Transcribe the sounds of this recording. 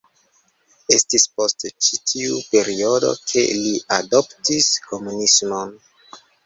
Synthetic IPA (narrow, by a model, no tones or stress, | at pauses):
e̞stispo̞stt͡ʃitʰiupe̞ɾio̞do̞̰kʰe̞̰liado̞ptisko̞munismo̞n